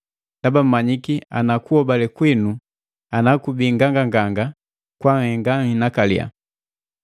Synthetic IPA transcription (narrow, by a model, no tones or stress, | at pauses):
dabam̩maɲikia̰nakuɔbalɛkwinu | anakubiŋɡaŋɡaŋɡaŋɡa | kwaŋhɛŋɡaŋinakalḭa̰